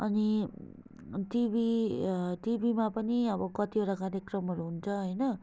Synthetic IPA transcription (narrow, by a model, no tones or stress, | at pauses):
ʌni | ʈibi | ʈibimapʌniʌbʌkʌt̪iɦoɾakaɾjekrʌmɦʌɾuɦunt͡sʰʌɦʌjnʌ